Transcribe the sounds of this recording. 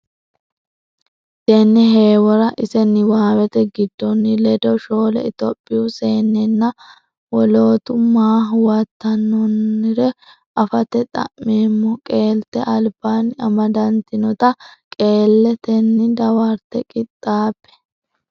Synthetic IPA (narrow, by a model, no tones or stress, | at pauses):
t̪enːɛɦe̞ːwɔɾɐʔɪsɛnːɪwaːwɛt̪ɛɡɪd̪ːɔnːɪlɛd̪ɔʃo̞ːlɛ̰ɪt̪ɔpʼːɪʊse̞ːnːɛnːɐ | wɔlo̞ːt̪ʊmaːɦʊwɐt̪ːɐnːɔnːɪɾɛ | ʔɐfɐt̪ɛt̪ʼɐ̰mːeːmːɔkʼe̞ːlt̪ɛʔɐlb̥aːnɐmɐd̪ɐnt̪ɪnɔt̪ɐkʼe̞ːlːɛt̪ɛnːɪd̪ɐwaɾt̪ːɛkʼɪt̪ʼːaːpːɛ̥